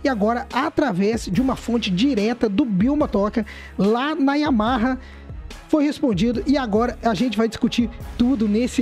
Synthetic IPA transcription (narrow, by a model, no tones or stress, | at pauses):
ɪaɡɔɾɐat̪ɾavɛzd͡ʒɪũmɐfõnt͡ʃɪd͡ʒiɾɛt̪ɐd̪ʊbiwmɐt̪ɔkɐ | lanɐiamaɦɐ | fojhespõnd͡ʒid̪ʊʔɪaɡɔɾɐaʒẽnt͡ʃɪvajd͡ʒɪskut͡ʃiɾt̪ud̪ʊnesɪ